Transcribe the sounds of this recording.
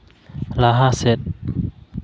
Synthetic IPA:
laɦasɛt̪̚

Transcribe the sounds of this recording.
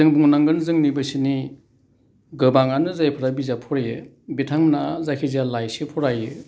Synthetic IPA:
zɯŋbuŋnaŋɡɯnzɯŋnibɯsini | ɡɯbaŋanɯzajpʰɯɾabizapʰɔɾeɯ | bitʰaŋnazakʰizalajsipʰɔɾajɯ

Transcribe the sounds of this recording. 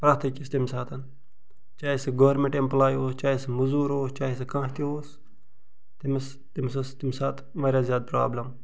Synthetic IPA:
pɾaːt̪ʰɐkʲist̪imsaːt̪ʰɐn | t͡ʃaːisɨɡoʋɾmẽɳʈemplaːjoːst͡ʃaːisɨmuzuːɾoːst͡ʃaːɦis̬ɨkãːɦt̪ioːs | t̪imɐs | t̪imsɐst̪imʲsaːt̪ʰ | ʋaːɾʲjaːzjaːd̪̚pɾa̰ːblɐm

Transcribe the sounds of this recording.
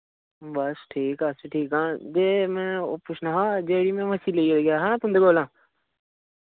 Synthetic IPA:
bəsʈʰiːkəsiʈʰiːkãːd͡ʒeːmɛ̃ːopʊt͡ʃʰnãːɦãːd͡ʒeːɽiːmɛ̃ːməsiːleiːoɡjaːɦãːñːt̪ʊ̃nd̪eːɡoːlãː

